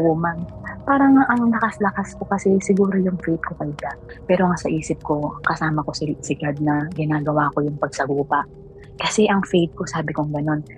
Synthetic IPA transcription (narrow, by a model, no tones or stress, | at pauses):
ʔumɐnpaːɾɐŋʔɐŋŋlɐkaslɐkasko̞kɐsɛsɪɡuːɾo̞jʊŋfɛjt̪̚kokɐjd̪apɛːɾo̞ŋasɐʔiːsɪp̚ko̞kɐsaːmɐko̞sɪsɪɡad̪̚nɐɡɪnaːɡɐwaːko̞jʊŋpɐɡ̚sɐɡuːpɐʔ | kɐsɛʔɐŋfɛjt̪̚ko̞saːbɪkoŋɡɐno̞n